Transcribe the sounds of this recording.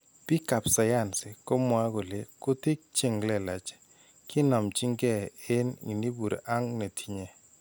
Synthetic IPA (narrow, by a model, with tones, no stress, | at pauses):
pi˦ka˨psa˨ja˦˨nse˨ko˦mwa˦ɡo˨le˨kʊ˦ti˦k̚t͡ʃe˦˨ŋlɛ˨la˨t͡ʃɛ̥˨ | kɪ˦nɔ˨mt͡ʃi˦ŋɡɛ˦˨ɪ˦nḭ˨ni˦bu˨ɾḛ˨ʔa˦ŋne˨tʰi˦ɲe˨